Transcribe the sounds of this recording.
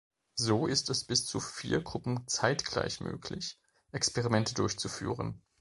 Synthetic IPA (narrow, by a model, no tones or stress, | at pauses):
zoːʔɪstɛsb̥ɪst͡sufiːɐɡʁʊpm̩t͡saɪtɡ̥la̰ɪçmø̰ːkʰlɪç | ʔɛkspeʁimɛntʰədʊɐçt͡sufy̰ːʁə̰n